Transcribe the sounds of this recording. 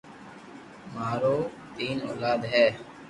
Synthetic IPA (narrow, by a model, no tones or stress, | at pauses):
maːɾoː | t̪iːnoːlaːd̪ɦɛː